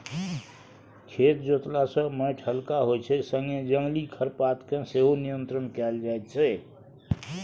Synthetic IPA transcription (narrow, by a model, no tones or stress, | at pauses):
kʰet̪d͡ʒot̪lasə̃məʈʰəlkaɦot͡ʃʰɛsə̃ŋɡed͡ʒəŋɡlikʰəɾpat̪kẽseɦonijənt̪ɾənkɛld͡ʒaet̪̚t͡ʃʰɛ